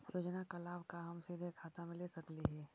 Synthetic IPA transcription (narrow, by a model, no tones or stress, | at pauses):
joːd͡ʒnakalaːbʱkaɦɐmsiːd̪ʱekʰaːt̪amẽlesɐkliɦɛː